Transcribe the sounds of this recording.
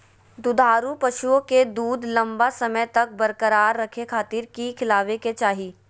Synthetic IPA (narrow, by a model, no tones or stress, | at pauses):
d̪ʊd̪ʱaːɾupɐʃuõked̪uːd̪ʱlɐ̃mbasɐməjt̪ɐk̚bɐɾkəɾaːɾːɐkʰekʰaːt̪ɪɾkikʰɪlaːʋeket͡ʃaːɦiː